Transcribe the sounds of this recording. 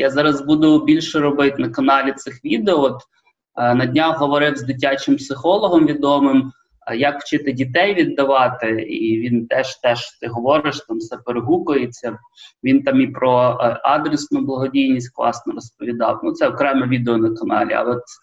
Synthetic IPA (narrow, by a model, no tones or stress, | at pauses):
jazɑɾɐzbud̪ʊbʲilʲʃɛɾɔbɪt̪nɐkɐnɑlʲit̪sɪxʋʲid̪eɔɔt̪ | nɐdʲnʲɑwɦɔʋɔɾɪwzd̪ɪt̬ʲat͡ʃɪmpsɪxɔlˠɔɦɔmʋʲid̪ɔmɪm | jɐkw̥t͡ʃɪt̪ɪdʲit̪ɛjʋʲid̪ːɐʋɑt̪ɪiʋʲint̪ɛʃt̪ɛʃt̪ɪɦɔʋɔɾɪʃt̪ɑmsɛpeɾɪɦukʊjet͡sʲːɐ | ʋʲint̪ɑmipɾɔɑd̪ɾesnʊblˠɐɦɔdʲijnʲisʲtʲklˠɑ̰snɔɾɔspɔʋʲid̪ɑ̰wnut̪sɛɔkɾɛmɛʋʲid̪eɔnɐkɐnɑ̰lʲḭɐ̰ɔt̪